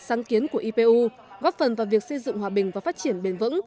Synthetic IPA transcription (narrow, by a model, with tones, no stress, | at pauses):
saː˨˦ŋki˨˦ənku˧˩əʔi˧pe˧ʔu˧ | ɣɔ˦˥p̚fə˨˩nvaː˨˩wvi˨˩ək̚sə˧jzɨ̰˧˨ŋhwaː˨˩ɓï˨˩ŋ̟vaː˨˩faː˦˥t̚t͡ɕi˧˩ənɓe˨˩nvɨ̰˧˥ŋ